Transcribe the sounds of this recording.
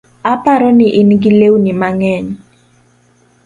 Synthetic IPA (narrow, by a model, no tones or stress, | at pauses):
apaɾɔnɪʔɪnɡɪlewnɪmaŋɛɲ